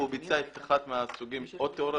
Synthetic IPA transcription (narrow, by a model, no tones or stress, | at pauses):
ubit͡saet̪aχat̪measuɡimot̪ːeoɾa